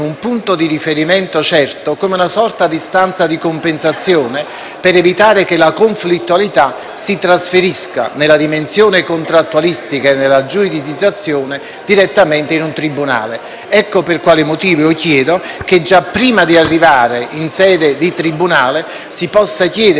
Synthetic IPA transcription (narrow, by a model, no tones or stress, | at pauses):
umpunt̪od̪iɾifeɾimɛnt̪ot͡ʃɛrt̪okomeunasɔrt̪ad̪ist̪ant̪sad̪ikompensat̪sːjoːne | peɾevit̪aːɾekelakoɱflit̪ːualit̪a | sit̪ɾasfeɾiska̰nelːad̪imensjoːnekont̪ɾat̪ːualist̪ikaenːelːad͡ʒuid̪id̪id̪zːat̪sːjoːne | d̪iɾet̪ːamɛnt̪einunt̪ɾibːuna̰ːle | ɛkːoperkwaːlimot̪iːvookjɛːd̪oked͡ʒapːɾiːmad̪iarːivaːɾeʔinsɛːd̪ed̪it̪ɾibːunaːle | sipɔsːak̟jɛːd̪